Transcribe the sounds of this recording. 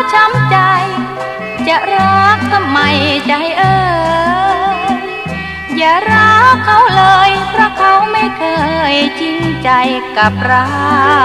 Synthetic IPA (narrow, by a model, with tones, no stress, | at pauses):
t͡ɕʰa˧˥mt͡ɕa˧j | t͡ɕa˨˩ʔɾɔ˧˥k̚t̪ʰa˧ma˧jt͡ɕa˧jʔɤː˧ | jaː˨˩ɾa˧˥kʰa˧˥˩wlɤː˧jpʰɾa˧˥kʰa˧˥wma˥˩jkʰɤː˧˩jt͡ɕi˧ŋt͡ɕa˧jka˨˩p̚ɾa˧˥